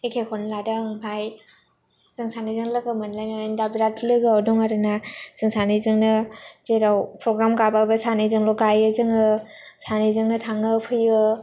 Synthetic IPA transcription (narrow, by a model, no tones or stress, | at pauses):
ekʰekʰɔnladaŋpʰaj | z̥ɯŋsanizɯŋlɯɡɯmɯnlajnaandabiɾatʰlɯɡɯawdɔŋaɾɯnaz̥ɯŋsanizɯŋnɯzeɾawpʰɾɔɡɾamkababɯsanizɯŋlɔɡajɯzɯŋɯ | sanizɯŋnɯtʰaŋɯpʰɯjɯ